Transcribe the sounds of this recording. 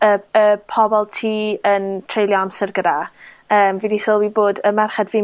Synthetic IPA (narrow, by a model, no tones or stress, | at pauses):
əəpʰɔbɔlˠtʰiːəntʰrejlˠjɔamsərɡəda | əːmvidisoːlˠwiboːdəmɛrχɛdviː